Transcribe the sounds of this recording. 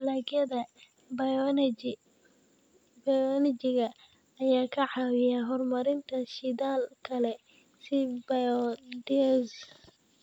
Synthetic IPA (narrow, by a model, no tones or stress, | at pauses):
laːɡjɐðɐ | b | bɐjɔnɪt͡ʃɪɣɐ | ɐjaːkʰɐʕɑwɪjaɦɔrmɐɾɪnt̪ʰɐʃɪd̪aːlkʰɐlɛ | sɪbɐjɔd̪ɛs